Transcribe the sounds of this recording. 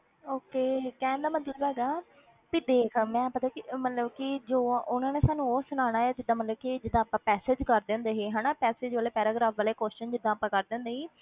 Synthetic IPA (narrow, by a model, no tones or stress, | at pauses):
oːkeːkɛ̃ːnd̪aːmət̪ləbɦɛːɡaː | pid̪eːkʰmɛ̃ːpət̪aːkɪmət̪ləbkid͡ʒoːʊnãːneːsaːnũːoːsʊñaːɽ̃aːɛːd͡ʒɪd̪ːãːmət̪ləbkid͡ʒɪd̪ːãːpãːpɛːseːd͡ʒkəɾd̪ẽnd̪eːɦeːɦãːnaːpɛːseːd͡ʒʋaːleːpɛːɾaːɡɾaːpʰʋaːleːkoːst͡ʃənd͡ʒɪd̪ːãːpãːkəɾd̪ẽːnd̪eːɦiː